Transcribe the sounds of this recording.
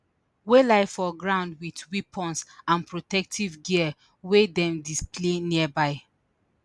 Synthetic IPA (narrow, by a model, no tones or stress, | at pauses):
welaɪfɔɡɹãʊ̃ndwitwipʰɔ̃nsãnpɹotɛk̚tʰivɡiə | wedɛ̃mdispleniəbaɪ